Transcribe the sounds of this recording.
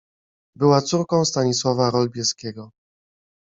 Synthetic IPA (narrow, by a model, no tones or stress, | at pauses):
bɘwat̪suɾkɔ̃w̃st̪aɲiswavaɾɔlbʲjɛskʲɛɡɔ